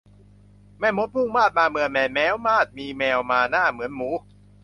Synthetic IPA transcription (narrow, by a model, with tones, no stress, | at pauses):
mɛː˧˥˩mo˦˥t̪̚pʰu˥˩ŋmaː˥˩t̪̚maː˧mɯ˧əmɛː˨˧˩nmɛː˦˥wmaː˥˩t̪̚miː˧mɛː˧wmaː˧naː˥˩mɯ˩˦ənmuː˨˦˥